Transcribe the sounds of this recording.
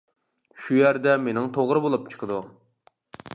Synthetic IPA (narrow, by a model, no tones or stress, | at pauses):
ʃujæɾd̪ɛmenɪŋt̪ʰoʁɾɨbolˠup̚t͡ʃʰə̥qʰəd̪u